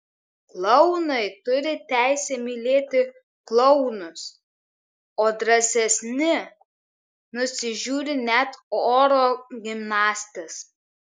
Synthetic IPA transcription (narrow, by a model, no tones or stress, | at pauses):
klˠɔʊnɐɪt̪ʊɾʲɪt̪ʲæˑɪsʲɛmʲilʲeːt̪ʲɪ | klˠɔʊnʊs | oːd̪ɾɐsʲɛsʲnʲɪ | nʊsʲɪʒʲuːɾʲɪnʲɛt̪oːɾoːɡʲɪmnɑːsʲt̪ʲɛs